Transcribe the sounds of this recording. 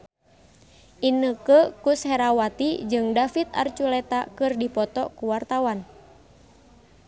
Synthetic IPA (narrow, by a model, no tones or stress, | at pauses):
ʔinəkəkushɛɾawat̪id͡ʒɨŋdafit̪̚a̰rt͡ʃulɛt̪akɨrdipɔt̪ɔkuwart̪awan